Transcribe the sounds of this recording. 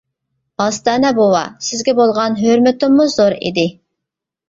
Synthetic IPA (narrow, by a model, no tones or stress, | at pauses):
ɑst̪ɑnɛbowɑ̰sɪzɡʲɛbolˠʁɑnɦøɾmɪt̪ɪmːuzoɾḭd̪ɪ